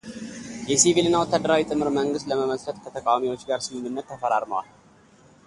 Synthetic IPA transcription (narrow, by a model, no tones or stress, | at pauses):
jɛsivilɨnːawɔt̪ʰːad̪əɾawit̪ʼɨmhɨɾməŋɡɨst̪ləməməsət̪ʼkʰət̪ʰəkʼawamiwo̞t͡ʃːɡaɾsɨmɨnːɨnːət̪ːəfəɾaɾməwa̰l